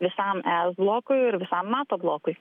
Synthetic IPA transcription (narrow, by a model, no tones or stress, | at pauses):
ʋʲɪsɐˑmæːsblˠoːkʊɪɪɾʋʲɪsɐmːɑːt̪oːblˠoːkʊɪ